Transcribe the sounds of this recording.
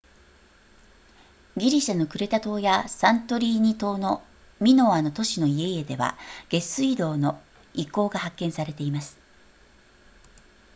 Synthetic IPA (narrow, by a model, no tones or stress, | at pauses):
ɡʲiɾʲiɕano̞kɯ̟ɾe̞t̪at̪o̞ːjasãnt̪o̞ɾʲiːɲ̟it̪o̞ːno | mʲino̞ano̞t̪o̞ɕino̞ie̞ie̞d̪e̞βa̰ɡ̥e̞sɨid̪o̞ːno̞ | iko̞ːɡahakːẽ̞ɰ̃saɾe̞t̪e̞imasɨ̥